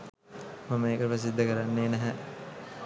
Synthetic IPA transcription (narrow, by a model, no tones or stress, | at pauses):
maməeːkəprəs̬id̪ʱːəkəɾanːeːnæɦə